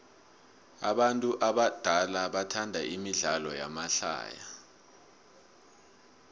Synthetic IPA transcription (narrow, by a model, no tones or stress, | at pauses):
a̰ɓantʼuʔaɓad̥ʱalaɓatʰandʱaʔimiɮalɔja̰maɬa̰ːja